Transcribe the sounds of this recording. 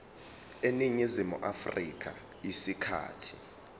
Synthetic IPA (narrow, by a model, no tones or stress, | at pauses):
eniɲizimṵʔafrik̬ʰʼa | jisikʰa̰ːtʰi̥